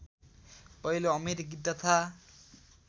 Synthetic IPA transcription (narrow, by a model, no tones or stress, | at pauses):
pʌiloʌmeɾiɡid̪ʌt̪ʰa